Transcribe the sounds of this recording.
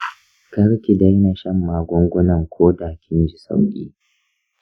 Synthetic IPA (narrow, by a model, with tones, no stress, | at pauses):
kɐ˦ɾkʲi˨da˦jna˨ʃɐ˦mːaː˨ɡʷʊ˦ŋɡʷʊ˦nɐ˨ŋkʷʰoː˦daː˨kʲɪ˦nd͡ʒi˨sa̰˦wkʲʼḭː˦